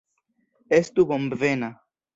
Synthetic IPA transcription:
est̪ubombvena

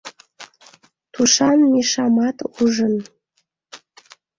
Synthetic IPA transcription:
t̪uʃɑnmiʃɑmɑt̪uʒən

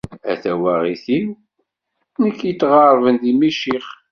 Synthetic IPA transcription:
æ̰θæwæʁiθi | nəkːjət͡sːʁɑɾˤvənðimiʃiχ

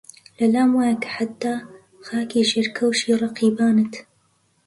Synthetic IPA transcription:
lɐlaːmwaːjakḁħat̪ːaː | xaːkiːʃeɾkʰɐwʃiːɾˤɑqiːbaːnət̪

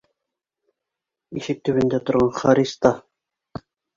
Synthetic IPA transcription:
iʃɘk̚t̪ːɵ̆βɘ̆nd̪æt̪ŏɾʁɑnχɑɾʲist̪ɑ

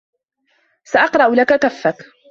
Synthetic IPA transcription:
saʔɑqɾˤɑʔʊlakakafːak

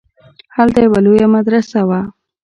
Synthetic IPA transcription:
halt̪ajawalojamad̪ɾasawa

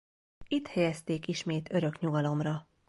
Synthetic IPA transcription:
it̪hɛjɛst̪eːkiʃmeːt̪ʰø̞ɾø̞kɲuɡɒlo̞mrɒ

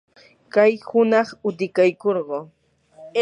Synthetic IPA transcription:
kajhʊnɑχʊt̪ɪkajkoɾɢoː

